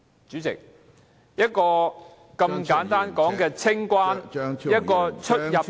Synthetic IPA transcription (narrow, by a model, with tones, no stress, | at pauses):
t͡ʃyː˨˥t͡sɪ̰˨k̚ | jɐ˥t̚kɔː˧ | kɐ˧mkaː˨˥nt̪aː˥nkɔː˨˥ŋkɛː˧t͡sʰɪ˥ŋkʷwaː˥njɐ˥t̚kɔː˧t͡ʃʰɵ˥jɐ˨